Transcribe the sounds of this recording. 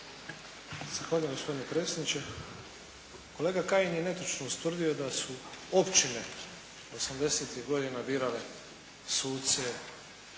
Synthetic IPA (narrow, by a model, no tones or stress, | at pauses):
z̥axʋaːʎujmɡospo̞d̪inepɾe̞t̪sed̪nit͡ɕe | ko̞le̞ːɡakajinjene̞t̪ot͡ʃnoust̪ʋr̩d̪io̞d̪asuo̞pt͡ʃine̞ | o̞samd̪e̞set̪iɡo̞d̪inabiːɾale | suːt̪se